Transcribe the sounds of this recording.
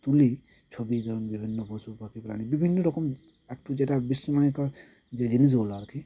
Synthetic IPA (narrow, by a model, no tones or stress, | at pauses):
t̪uli | t͡ʃʰɔbid̪ʱɔɾɔmbibʱinːɔbʱɔsupakipɾa̰nibibʱinːɔɾɔkɔm | ɛk̚ʈːud͡ʒeʈabisɔmajka | d͡ʒed͡ʒinis̬olaɾkʰi